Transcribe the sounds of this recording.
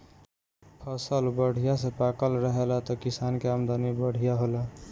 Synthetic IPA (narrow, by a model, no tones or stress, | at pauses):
pʰʌsəlbəɽ̤ʱijasẽpakəlɾəɦelat̪ɔkisankeamd̪anibəɽ̤ʱijaɦolə